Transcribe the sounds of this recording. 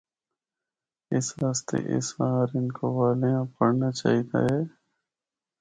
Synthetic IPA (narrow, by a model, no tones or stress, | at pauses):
ɪsɾaːst̪ḛːʔɪ̰sbaːɾɪnkoːʋaːlejãːpəɽnaːt͡ʃa̰ːɦid̪a̰ːɦɛː